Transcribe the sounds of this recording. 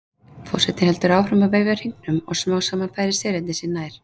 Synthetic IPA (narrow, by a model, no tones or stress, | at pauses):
fɔ̰rsɛt̪ɪnhɛlt̪ʏɾaːwrɾʏmaveːjvɪaɾ̥hiknʏmɔ̰ɣsmaːwsaːmanfaːjɾɪɾ̥sɛːɾɛɪsɪnaːjɾ̥